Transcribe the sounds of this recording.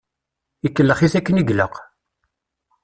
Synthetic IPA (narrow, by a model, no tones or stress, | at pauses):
ikːəlːəχiθækːəniɡlə̰q